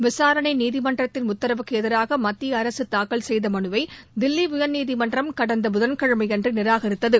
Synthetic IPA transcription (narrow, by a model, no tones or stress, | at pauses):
ʋɪsaːɾɐɳɐɪniːðɪmɐnɖrɐt̪ːɪnʊt̪ːɐɾɐʋɯkːɯɛðɐɾaːɣɐmɐt̪ːijɐɐɾɐsɯt̪aːkːɐɭsɛjðɐmɐnɯʋɐɪd̪ɪlːiʋʊjɐnniːðɪmɐndrɐmkɐɽɐnd̪ɐbʊðɐnkɐɻɯmɐɪɛndrɯnɪɾaːɣɐɾɪt̪ːɐðɯ